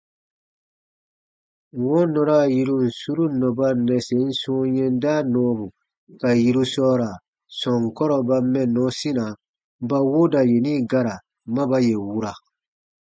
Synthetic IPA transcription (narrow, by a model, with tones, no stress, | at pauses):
wɔ̃˦nɔ̃˨ɾa˦˨ji˧ɾu˦n̩˨su˦ɾu˦nɔ̃˨ba˦nɛ˨se˨˦n̩˦sũ˦jɛ̃˦n˦da˦nɔ̃ː˦bu˨ | ka˨ji˨ɾu˧sɔː˦ɾa˨ | sɔ̃˨ŋ˨kɔ˦ɾɔ˨ba˧mɛ̃˦nɔ̃˨˦sĩ˦nã˨˦ | ba˦wo˦da˨je˨nĩ˦ɡa˦ɾa˨ | mã˦ba˦je˨wu˦ɾa˨